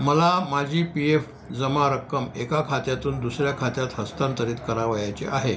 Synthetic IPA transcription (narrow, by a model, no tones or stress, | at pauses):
məlamad͡ʑʱiːpief | d͡zəmaɾəkːəmekakʰat̪jat̪uːnd̪usɾjakʰat̪jat̪ɦəst̪ant̪əɾiːt̪kəɾaʋəjat͡seʔaɦe